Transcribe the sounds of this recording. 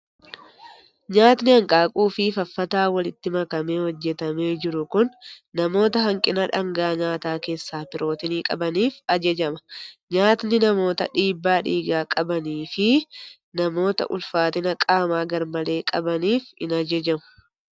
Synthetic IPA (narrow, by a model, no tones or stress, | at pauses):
ɲaːt̪nɪhɐŋkʼaːkʼuːfɪfɐfːɐt̪aːwɐlɪt̪ːɪmɐkɐme̞ːhɔd͡ʒːɛt̪ɐme̞ːd͡ʒɪɾʊkʊnːɐmo̞ːt̪ɐɦɐŋkʼɪnɐᶑɐŋɡaːɲaːt̪aːke̞ːsːaːpɪɾʔo̞ːt̪ɪniːkʼɐbɐniːfɐd͡ʒɐd͡ʒɐmɐ̥ɲaːt̪nɪnɐmo̞ːt̪ɐ̰ᶑiːbːaːᶑiːɡaːkʼɐbɐniːfɪ | nɐmo̞ːt̪ɐ̰ʔʊ̰lfaːt̪ɪnɐkʼaːmaːɡɐɾmɐle̞ːkʼɐbɐniːfɪ̰nɐd͡ʒɐd͡ʒɐmʊ̥